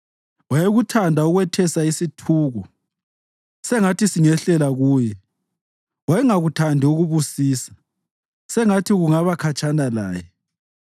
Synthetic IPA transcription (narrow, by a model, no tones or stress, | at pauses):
wajɛɣutʰandʱauɣwɛtʰɛsaisitʰuːɣɔ | sɛŋatisiŋɛɬɛlaɣuːjɛ | wajɛŋaɣutʰandʱɛuɣuβusiːsḁ | sɛŋatʰiɣuŋaβakʰat͡ʃʰʼanala̰ːjɛ